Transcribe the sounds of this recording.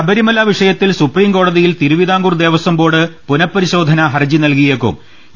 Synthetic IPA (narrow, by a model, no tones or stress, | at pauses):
ɐbɐɾimɐlaːʋiʂɐjɐt̪ːilsupriːmko̞ːɽɐðijilt̪iɾuʋid̪aːŋɡurd̪e̞ːʋɐsɐmbo̞ːɽɨpunɐpːɐɾiɕo̞ːd̪ʱɐnɐɦɐrd͡ʑinɐlkijekːṵm